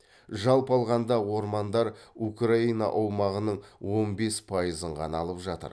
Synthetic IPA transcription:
ʒɑlˠpɑlˠʁɑnd̪ɑwo̞ɾmɑnd̪ɑɾukraijnɑ̰ʔɑwmɑʁənəɴwo̞nbe̞spʰɑjəzəɴqʰɑ̰nɑlˠəpʒɑt̪ə̰ɾ

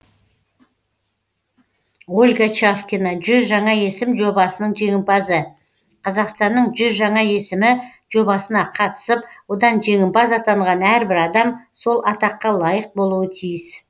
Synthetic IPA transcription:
ʁulʲɡat͡ʃafkʲinɑʒʏzʒɑɴɑje̞sɪmʒo̞bɑsənəɴʒe̞ŋʲɪmpɑzə | qʰɑzɑqst̪ɑnːəɴʒʏzʒɑɴɑje̞sɪmɪ | ʒ̥o̞bɑsənɑqʰɑt̪ə̥səpwo̞d̪ɑnʒe̞ŋʲɪmpɑzɑt̪ɑɴʁɑnæɾbɪɾɑd̪ɑmso̞lˠʔɑt̪ɑqːɑlˠɑjəq̚bo̞lˠuwət̪ʰijɪs

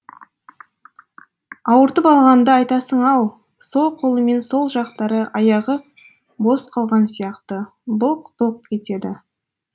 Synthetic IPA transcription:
ɑwəɾt̪əpɑlˠʁɑnd̪əɑjt̪ɑsəɴɑw | so̞lˠqʰo̞lˠəme̞nso̞lˠʒɑqt̪ɑɾəʔɑjɑʁə | bo̞sqʰɑlˠʁɑnsijɑqt̪ə | bʊlˠqb̥əl̚ˠkʲʰe̞t̪e̞d̪ɪ

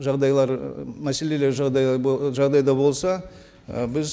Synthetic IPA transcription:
ʒɑʁd̪ɑjlˠɑɾmæse̞le̞le̞ɾʒd̪ɑʒɑʁd̪ɑjd̪ɑbo̞lˠsɑ | bɪz

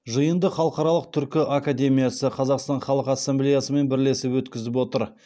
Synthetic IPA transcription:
ʒəjənd̪əχɑlˠəqɑɾɑlˠəq̚t̪ʰʏɾkʲɪʔakad̪ʲe̞mʲijasəqʰɑzɑqst̪ɑnχɑlˠəqasːemblejasəme̞nbɪɾle̞sɪpwɵt̪kʲɪzɪp̬wo̞t̪əɾ

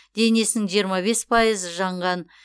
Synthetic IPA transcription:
d̪̥e̞ne̞sɪnɪŋʒijəɾmɑβe̞spʰɑjəzəʒɑɴʁɑn

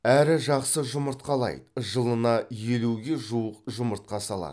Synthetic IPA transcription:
æɾɪʒɑqsəʒʊməɾt̪̚qɑlˠɑ̰jd̪əʒəlˠənɑjeluɡʲe̞ʒuəqʒʊməɾt̪̚qɑsɑlˠɑ̰ə

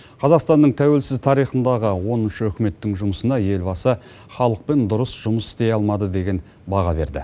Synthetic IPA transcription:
qʰɑzɑqst̪ɑnːəɴt̪ʰæwe̞lsɪzt̪ʰɑɾijχənd̪ɑʁəwo̞nɪʃəɵkʲɪme̞t̪ːɪŋʒʊməsənɑje̞lbɑsə | χɑlˠəq̚pe̞nd̪ʊɾəsʒ̥ʊməsɪ̥st̪e̞jɑlˠmɑd̪əd̪e̞ɡʲe̞n | bɑʁɑbe̞̰ɾd̪ɪ̰

